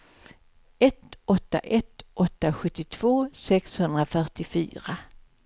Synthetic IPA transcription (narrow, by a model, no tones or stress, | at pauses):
ɛt̪ɔt̪ːa̰ʔɛt̪ʔɔt̪ːaɧɵt̪ːɪt̪ʰv̥oːsɛkshɵnd̪ɾafœʈɪfy̰ːɾa